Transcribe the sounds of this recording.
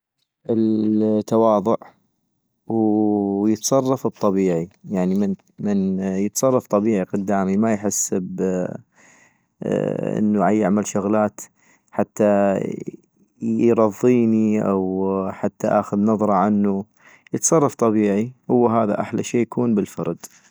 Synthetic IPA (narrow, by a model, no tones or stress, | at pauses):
ʔɪlt̪ːawɑːðˤʊʕ | wjət̪sˤɑrˤːɑfɨt̪ˤːɑbiːʕijaʕnimɪn | mɪnjət̪sˤɑrˤːɑft̪ˤɑbiːʕiqʊd̪ːaːmimajħɪsːb | ʔɪ̰nːuʕajːɪʕmalʃʊɣlaːt̪ | ħat̪ːa | jɾˤɑðˤːiːniʔawħat̪ːaʔaːxʊðnɑðˤɾˤɑʕanːu | jət̪sˤɑrˤːɑft̪ˤɑbiːʕihʊwːɦaːða̰ʔa̰ħlaʃeːjakuːnbəlfɑ̰ɾˤd̪